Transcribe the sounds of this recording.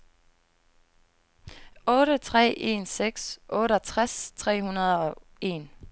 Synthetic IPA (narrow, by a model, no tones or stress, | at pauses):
ɔ̽ːɾət͡sʰʁɛ̰ːʔe̝̰ːnseɡ̥sʔɔ̽ːɾəɒt͡sʰʁast͡sʰʁɛ̰ːhunɐðˠɒ̽e̝n